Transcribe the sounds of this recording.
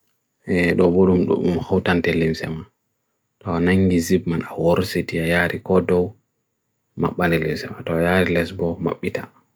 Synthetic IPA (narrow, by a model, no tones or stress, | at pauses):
ʔɛɗɔboɗumɗṵumhawtantɛlimsɛ̰ma | tɔanaŋɡizibmanawɔɾsetiajaːɾikɔdɔw | ma̰ɓːanɛlḭmsɛma̰tɔjaɾilɛsbɔma̰ɓːita